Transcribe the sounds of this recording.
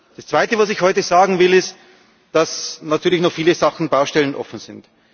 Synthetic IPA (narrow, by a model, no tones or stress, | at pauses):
d̥ast͡sv̥aɪtəvas̬ɪçhɔʏtəz̥aːɡŋ̩vɪlɪst | d̥asnatʰyːɐlɪçnɔχfiːləzaxn̩baʊʃtɛlənʔɔ̰fn̩z̥ɪnt